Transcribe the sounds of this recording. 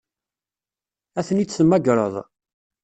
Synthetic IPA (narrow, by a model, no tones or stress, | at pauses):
æθənit͡sːəmːæɡɾˤə̰ðˤ